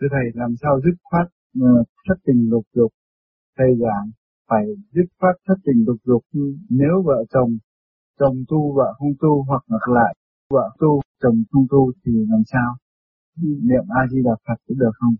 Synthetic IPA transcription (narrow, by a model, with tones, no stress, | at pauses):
t͡ɕɨ˧˩t̪ʰə˧˩jlaː˨˩msaː˧wzɨ˦˥p̚faː˦˥t̚ː | t̪ʰə˦˥t̚t̪ï˨˩ŋ̟lʊ˨˩k̚zʊ˨˩k͡p̚ | t̪ʰə˧˩jzaː˧˨˩ŋ | faː˧˩jzɨ˦˥p̚fwaː˦˥t̚t̪ʰə˦˥t̚t̪ï˨˩ŋlʊ˨˩k͡p̚zʊ˨˩k̚ɲɨ˧ne˨˦wvə̰ː˧˨t͡ɕə˨˩wŋ͡m | t͡ɕə˨˩wŋ͡mt̪u˧va̰ː˧˨xə˧wŋ͡mt̪u˧ɦwa˨˩k̚ŋa˨˩k̚la̰ː˧˨j | və̰ː˧˨t̪u˧t͡ɕə˨˩wŋ͡mxʰə˧wŋ͡mt̪u˧t̪ʰi˨˩laː˨˩msaː˧w | nḭ˧˨əmʔaː˧zi˧laː˨˩p̚faː˨˩t̚kɗɨ˨˩ək̚xə˧wŋ͡m